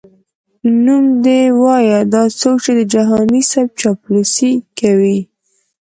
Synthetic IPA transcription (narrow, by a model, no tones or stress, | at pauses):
numd̪ewɑjad̪ɑt͡sokt͡ʃed̪əd͡ʒaɦɑnisab̚t͡ʃɑplusikawi